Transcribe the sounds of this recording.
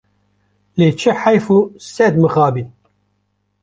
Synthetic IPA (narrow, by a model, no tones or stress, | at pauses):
leːt͡ʃʰɨħajfusɛd̪mɨxaːbiːn